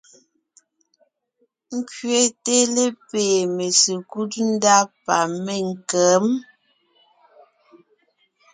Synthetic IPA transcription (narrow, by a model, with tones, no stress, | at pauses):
ŋ̩˦kɥe˦te˦le˦peː˨me˨si˨ku˦t̚n̩˦da˦pa˨me˦˨ŋ˨kɛː˨˦m